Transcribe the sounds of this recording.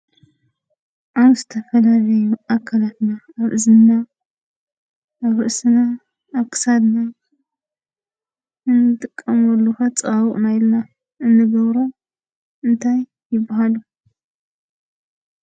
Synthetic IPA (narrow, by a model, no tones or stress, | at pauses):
ʔawzɨt̪ʰɐfɐlalɐjuakʰːalat̪naːβʔɨzɨnːa | aβɨʔsɨnaː | βkʰɨ̥sad̪na | ɨnːɨt̪ʼɨkʼːɐmɐlːuxat͡sʼɐβawɨχʼnajɪlna | ʔɨnːɨɡɐβɾo | ʔɨnt̪ʰajːɪbːaɦalu